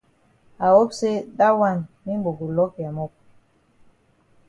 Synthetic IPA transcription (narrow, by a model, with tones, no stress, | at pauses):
a˨wo˦pse˦ɗa˦wa˦˨nmi˦mbo˨ɡu˨lɔ˦ka˨mo˦˨p̚